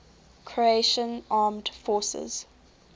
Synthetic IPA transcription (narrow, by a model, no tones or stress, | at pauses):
kʰɹieʃə̃nʔɑːmdfɔːˑsɪ̰z̥